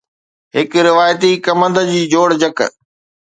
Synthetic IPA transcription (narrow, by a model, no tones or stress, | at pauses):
ɦɪkɾɪʋaːjt̪ikɐmə̃nd̪əd͡ʑiːd͡ʑoːɽd͡ʑək